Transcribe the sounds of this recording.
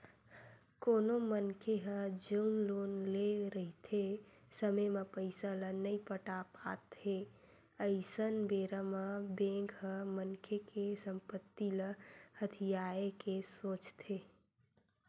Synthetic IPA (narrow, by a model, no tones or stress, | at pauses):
koːnomənkʰeɦə̃d͡ʒənlonleɾəɦit̪ʰe | səməjmepəɪsalənəipəʈapa̰t̪e | əɪsənbeɾəməbẽɡɦə̃mənkʰekesəmpət̪ːiləhət̪ʰijaekesoːt͡ʃt̪ʰe